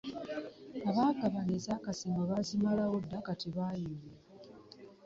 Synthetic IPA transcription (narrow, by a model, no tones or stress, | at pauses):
aβaːkaβanezaːkasiŋɡaβazimalawo̞dːakatiβaːjime